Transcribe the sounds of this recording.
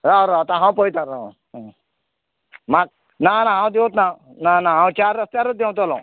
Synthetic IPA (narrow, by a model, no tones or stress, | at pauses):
ɾaɾat̪ãɦãw̃pəjt̪ãɾa | mak̚ | nanaɦãw̃d̪ẽt̪na | nanaɦãw̃t͡ʃaɾəst̪jaɾot̪d̪ew̃t̪ɔlɔ̰̃